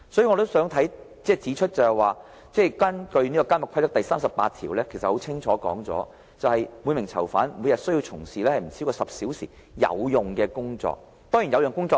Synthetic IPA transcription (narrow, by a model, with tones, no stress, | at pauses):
sɔ˨˥jiː˨ŋɔː˨˧t̪o˥wsœː˨˥ŋt̪ʰɐ˨˥j | t͡sɛː˥˩t͡siː˨˥t͡ʃʰɵ˥t̚t͡sɐ˨˩hɐ˨˩waː˨ | t͡sɛː˥˩kɐ˥nkɵ˧ɥniː˥kɔː˧ka˥nmɐ˨˩kʰa˥jt̪ɐ˥k̪̚ɐ˨jsaː˥msɐ˨pːa̰ː˧t̚t̪ʰiː˨˩wlɛː˥kʰe˨˩sɐ˨t̚ho˨˥t͡sʰɪ˥ŋt͡ʃʰɔː˨˧˥kɔ̰ː˨˥ŋt͡sɔ̰ː˨˥ | t͡sɐ˨whɐ˨jmuː˨˧jmɪ˨˩ŋt͡sʰɐ˨˩wfaː˨˥nmu˨˧jɐ˨˩t̚sɵ˥ji˧wt͡sʰʊ˨˩ŋsiː˨lɛː˥hɐ˨jm̩˨˩si˨˥kɔː˧sɐ˨p̚siː˨˥wsḭː˨˩ | jɐ̰˨˧wjʊ˨ŋkɛː˧kʊ˥ŋt͡sɔ̰ː˨k̚ | t̪ɔː˥ŋji˨˩njɐ˨˧wjœː˨ŋkʊ˥ŋt͡sɔː˧